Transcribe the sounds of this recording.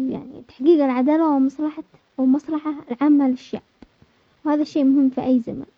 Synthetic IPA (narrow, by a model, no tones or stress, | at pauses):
ja̰ʕnḭt̪ḁħɡiːɡalʕad̪aːlawɪmɑsˤlɑħɑ | wɪmɑsˤlɑħalʕaːmːalɪʃːa̰ʕb̥ | whaːðaʃeːmʊhɪmːfiʔajːzama̰n